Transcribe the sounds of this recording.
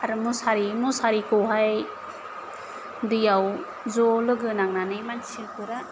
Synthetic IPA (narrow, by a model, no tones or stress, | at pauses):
aɾɯmusaɾimusaɾikɯwɦaj | dijaw | zɔlɯɡɯnaŋnanɯjmansʰikɯɾa